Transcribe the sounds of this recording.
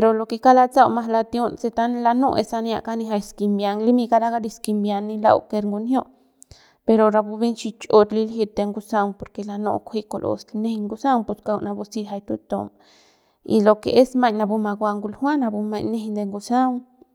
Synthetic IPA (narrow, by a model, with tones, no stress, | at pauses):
pe˧ɾo˧lo˧ke˧ka˦la˧t͡sa˦˧wma˧ɦla˧t̪jo˦nse˧t̪a˦nla˧no̰˦˧ʔḛ˧sa˧nja̰˧ʔka˦ni˧ɦa˧jski˧mbja˧ŋli˦mi˧ka˧ɾa˦ɡa˦d̪i˧ski˧mbja˧nːi˧la̰˧wke˧ɾŋɡu˧njo˦ʔ | pe˧ɾo˨ɾa˧bu˧bi˦nt͡ʃi˧t͡ʃo˧t̪li˧lɦi˧t̪e˧ŋɡu˧sa˧ŋpo˧ɾke˧la˧no̰˧kʷʰi˦ko˧lʔo̰˧sne˦ŋɡu˧sa˦ŋpu˨ska˧wna˧bu˧si˧ɦa˧jt̪u˧t̪o̰˧m | ḭ˧lo˧kḛ˨e˦sma˦˧jɲna˧bu˧ma˧ɡwʷa˧ŋɡu˧lhwa˦na˧bu˧ma˧ɲne˧hnd̪e˧ŋɡu˧sa˦ŋ